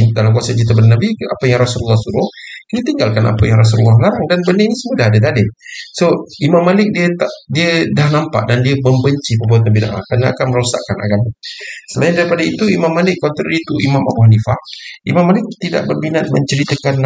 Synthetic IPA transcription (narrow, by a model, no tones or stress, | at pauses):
dalamk̬uasat͡ʃit̪abənnabiapajaŋrasululːɑhsuɾʊhkinit̪iŋɡalkana̰pajaŋɾas̬ululːahlaɾaŋdanbənənisəmudaɦadat̪adɪsoimamːalɪk̚diət̪aʔdiədahnampa̰ʔdandiəməmbəɲt͡ʃipəbuat̪̬̚nabina̰ʔa̰kɾanaa̰kanməɾusa̰ʔkana̰ɡamasəlaɪndaɾipadait̪uimamːalɪkːɔnt̪əɾəit̪uimama̰buɦanifahʔimamːalɪk̚t̪ida̰ʔbərbinat̪̚mə̰ɲt͡ʃəɾit̪akan